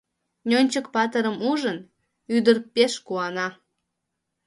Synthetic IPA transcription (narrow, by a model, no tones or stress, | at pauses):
nʲonʲt͡ɕəkpɑt̪əɾəmuʒən | yd̪ərpeʃkuɑnɑ